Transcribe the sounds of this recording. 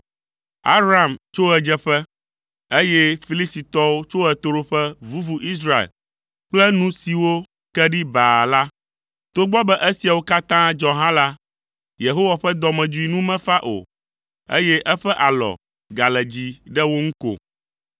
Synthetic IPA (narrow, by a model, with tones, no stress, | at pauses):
a̰˦bɾa˨mt͡ʃo˦ɛ˨d͡ʒɛ˦ɸɛ˦ | e˦jɛ˦fi˦li˦st̪i˨t̪ɔ˦wo˦t͡ʃo˦ɛ˨t̪o˦ɾo˦ɸɛ˦vu˦vu˨ʔi˦s̬ɾa˦ḛ˨l | k͡plɛ˦nũ˦si˨wo˦ | kɛ˦ɖi˦ba˨la˦ | t̪o˦ɡ͡bɔ˦bɛ˦ʔe˦si˨a˨wo˦ka˦t̪ã˦d͡ʒɔ̃˨ɦã˦la˦ | je˨ɦo˦wa˨ɸɛ˦d̪ɔ˨mɛ̃˨d͡ʒu˦i˦nũ˦mɛ̃˦fa˦ʔo̰˨ | ḛ˦jɛ˦ʔɛ˦ɸɛ˦ʔa˨lɔ̰˨ | ɡa˨lɛ˨d͡ʑi˦ɖɛ˦wo˦ŋ̩˦ko̰˨